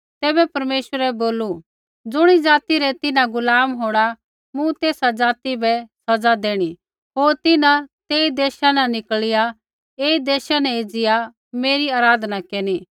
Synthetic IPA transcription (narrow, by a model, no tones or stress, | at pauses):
t̪ɛːbɛpɐɾmeːʃʋəɾɛboːlu | d͡zʊɽ̃id͡zaːt̪iɾɛt̪ɪnãɡʊlaːmɦoːɽ̃a | mũt̪eːsad͡zaːt̪ibɛsɐd͡zad̪eːɽ̃i | ɦoːɾt̪ɪnãt̪eːid̪eːʃanɛnɪkɭɪja | eːid̪ɛːʃanɛ̃id͡zɪja | meːɾiaːɾaːd̪nakeːni